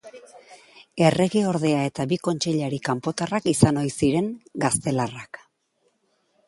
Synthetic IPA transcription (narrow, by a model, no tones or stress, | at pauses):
e̞re̞ɣeo̞ɾðe̞ae̞t̪aβiko̞nt͡ʃe̞ʎaɾikampo̞t̪arakisano̞jsiɾe̞ŋɡast̪e̞larak